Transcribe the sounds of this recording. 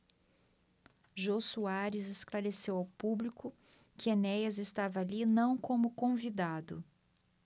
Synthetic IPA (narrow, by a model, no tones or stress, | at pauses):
ʒosuaɾɪzesklaɾesewawpublikʊ | kɪenɛjɐzest̪avɐalinɐ̃w̃kõmʊkõvid̪ad̪ʊ̰